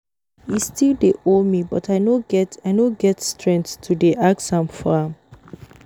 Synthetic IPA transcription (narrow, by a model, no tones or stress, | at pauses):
istildeʔomibɔtaɪnoɡɛtaɪnoɡɛtstɹɛ̃nttʰudeʔaɡsãmfɔãm